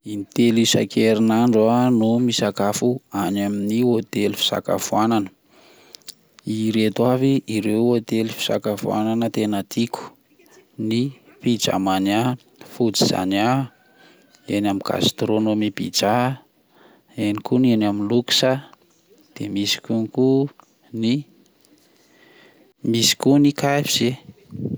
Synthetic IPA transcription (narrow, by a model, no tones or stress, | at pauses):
init̪elisa̰kʰeɾinaɳɖ͡ʐanumisakafuanaminiot̪elifi̥sa̰ka̰fuananə̥ | iɾet̪waviiɾewot̪elifi̥sa̰kafua̰nanət̪enət̪ikʲu̥ | ni | pid͡ʒa̰mana | fud͡ziz̥a̰na | enamiɡa̰st̪ɾonomibḭd͡ʒa | enikunenaminluksə | d̪̥emisi̥kʲuniku | ni | misi̥kunikafiz̥e